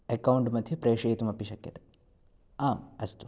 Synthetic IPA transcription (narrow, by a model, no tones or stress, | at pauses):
ekɐwɳʈmɐd̪ʱjɐpɾeːʂeːt̪umɐpːiʃɐkːjɐt̪e̥ | aːmɐst̪u̥